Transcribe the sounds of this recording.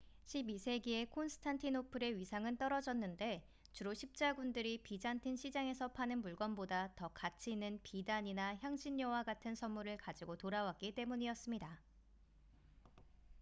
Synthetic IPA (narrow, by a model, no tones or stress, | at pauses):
ɕʰibisʰe̞ɡie̞kʰonsʰɯ̥tʰantʰinopʰɯɾe̞ɥisʰaŋɯnt͈ʌɾʌd͡ʑʌnːɯnde̞ | t͡ɕuɾoɕʰip̚t͡ɕ͈aɡundɯɾipid͡ʑantʰɯnɕʰid͡ʑaŋe̞sʰʌpʰanɯnmuɭɡʌnbodatʌkat͡ɕʰiːnːɯnpidaɲinaçjaŋɕʰiɲːʌwaɡatʰɯnsʰʌmmuɾɯɭkad͡ʑiɡotoɾawak͈̚it͈e̞muɲiʌs͈ɯmɲida